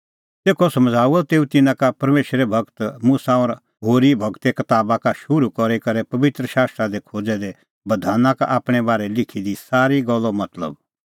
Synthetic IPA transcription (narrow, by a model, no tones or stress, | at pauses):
t̪eːkʰɔsɐmd͡zʱaːuɔt̪eːũt̪ɪnãkapɐɾmeːʃɾɛbʱɐɡt̪mʊsaɔːɾ | ɦoːɾibʱɐɡt̪ekɐt̪aːbakaʃʊɾukɔɾɛkɐɾɛpɐʋɪt̪ɾəʃaːst̪ɾad̪ekʰoːd͡zɛd̪e | bɐd̪ʱaːnãkaʔaːpɽ̃ɛbaːɾɛlɪkʰid̪isaːɾiɡɔlːɔmɐt̪lə̰b